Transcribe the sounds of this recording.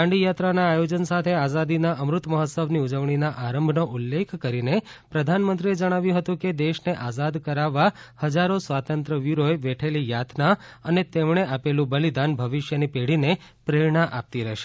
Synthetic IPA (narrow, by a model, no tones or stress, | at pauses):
ãɳɖijat̪ɾanaːjod͡ʒənsat̪ʰeazad̪inaʔəmɾʊt̪məɦət̪səʋniud͡ʒəʋɳinaʔaɾəmbʱnoʔulːekʰkəɾine | pɾəd̪ʱanmənt̪ɾied͡ʒəɽ̃aʋjũɦət̪ũked̪eʃneʔazad̪kəɾaʋːahəd͡ʒaɾosʋat̪ənt̪ɾəʋiɾoeʋeʈʰelijat̪ʰnaənet̪emɳ̃eʔapelũbəlid̪anbʱəʋiʃjənipeɽ̤ine | pɾeɾɳaʔap̚t̪iɾɛɦʃe